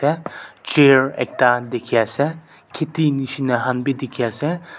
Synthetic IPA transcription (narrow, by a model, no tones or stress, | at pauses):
ɛt͡ʃeɹɛ̰k̚t̪ad̪ikʲʰɛsɛ | kʲʰet̪ʰiniʃinɛɦanbid̪ikʰɛsɛ